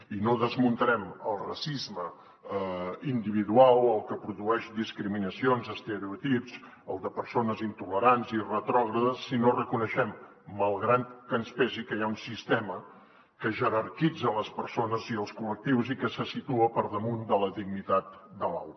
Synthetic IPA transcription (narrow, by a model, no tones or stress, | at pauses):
inoðəzmunt̪əɾɛməlˠrəsizmə | ind̪iβ̞iðualˠəlˠkəpɾuðuɛʃd̪iskɾiminəsionzəst̪əɾiut̪ipz | əlˠd̪əpəɾsonəzint̪uləɾanzirət̪ɾɔɣ̞ɾəðəsːinorəkunəʃɛmː | əlˠɣɾat̪kənspɛzikəjaunsist̪ɛmə | kəʒəɾərkid͡zələspəɾsonəziəlˠskulək̚t̪iwzikəsəsit̪uəpəɾðəmund̪ələðiɡnit̪at̪̚d̪əla̰w̪